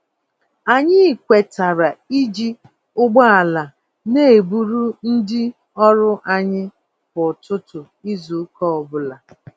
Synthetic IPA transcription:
a˨ɲɪ˦˨kʷe˨ta˨ɾa˨i˦d͡ʒi˦ | ʊ˦ɡ͡ba˦a˨la˨ | ne˦e˨bu˦ɾu˦n̩˦dɪ˦ | ɔ˦ɾʊ˦ʔa˦ɲɪ˦ | bʊ˨tʊ˦tʊ˨ | i˦zu˨˦kɔ˦ɔ˨bʊ˦la˨

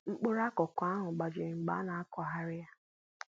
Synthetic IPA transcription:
ŋ͡m̩˨k͡pʊ˦ɾa˦kɔ˨kʷa˦ɦʊ˨ɡ͡ba˨d͡ʒe˨ŋ͡m̩˨ɡ͡ba̰˦na˨a˦kɔ˨ɦa˦ɾɪ˦a˦

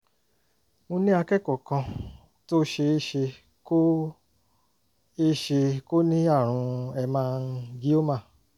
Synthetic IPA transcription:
mõ˧nĩ˦a˧kɛ˦˨kɔ˨kã˧ | to˦ʃe˧e˦ʃe˧ | ko˦ | e˦ʃe˧ko˦nĩ˦a˦˨ɾ̃ũ˧ɛ˧mãː˧n̩˦ɡi˦o˦mã˦˨

